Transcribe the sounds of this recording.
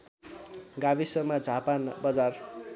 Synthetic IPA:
ɡabisʌmad͡zʱapanbʌd͡zar

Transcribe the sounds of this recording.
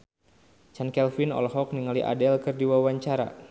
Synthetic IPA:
t͡ʃankɛlfinɔ̰lɦɔk̚niŋaliʔa̰dɛlkɨrdiwawaɲt͡ʃaɾa̰

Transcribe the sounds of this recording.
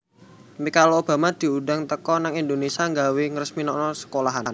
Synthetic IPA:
mikalob̥a̤mad̪̥i̤udaŋt̪əkɔnaŋind̪onesiaŋɡawiŋrəsminɔnɔsə̥kolaɦan

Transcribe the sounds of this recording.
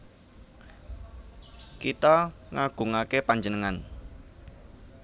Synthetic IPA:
kit̪aŋaɡ̥ṳŋakepaɲd͡ʒənəŋan

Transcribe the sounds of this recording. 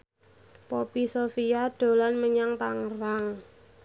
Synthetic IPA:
pɔpisofijaɖ̪̥o̤lanməɲaŋt̪aŋraŋ

